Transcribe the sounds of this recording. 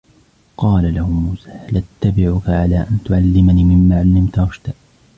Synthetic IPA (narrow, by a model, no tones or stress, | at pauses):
qɑːlalahʊmuːsḁːlat̪ːabɪʕʊkaʕalaːʔant̪ʊʕalːɪmaniːmɪmːaːʕalːɪmt̪ɾˤɑʃt̪aʔ